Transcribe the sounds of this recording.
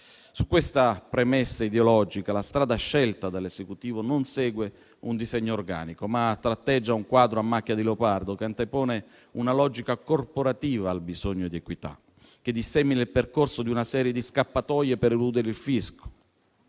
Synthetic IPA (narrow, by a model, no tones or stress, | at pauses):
sukːwest̪apɾemesːaid̪eolɔd͡ʒikalast̪ɾaːd̪aʃːɛlt̪ad̪alezekut̪iːvononsɛːɡwe | und̪izɛɲːoːrɡa̰ːnikomat̪ːɾat̪ːɛd͡ʒːauŋkwaːd̪ɾoamːakːjad̪ilopard̪okeant̪epɔːne | unalɔd͡ʒikakorpoɾat̪iːvaːlbizoɲːod̪iekwit̪a̰ | k̟ed̪isɛminailperkorsod̪iunasɛːɾjed̪iskapːat̪ɔːjepeɾɛlud̪eɾeilfisko̥